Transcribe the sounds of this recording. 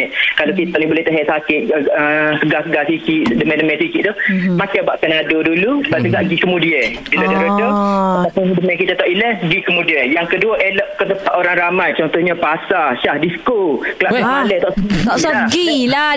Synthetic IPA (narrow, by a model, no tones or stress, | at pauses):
ɛʔkalokit̪ɔʔnibulɛht̪əɦɛʔsakɪt̪̚əsəɡasəɡasikiʔdəmɛdəmɛsikiʔt̪ʊhmakajbaʔp̪ənadodulubaʔsəɡaʔɡikəmudiə | dulodəɾədoat̪apʊndəmɛk̬it̪at̪ɔʔiləhɡikəmudiəjaŋkəduəʔelɔʔkət̪əpaʔ̪oɾaŋɾamajt͡ʃɔnt̪ɔhɲapasaʃahdiskokəlaʔaləht̪ɔʔsk̪ɔsɔɡila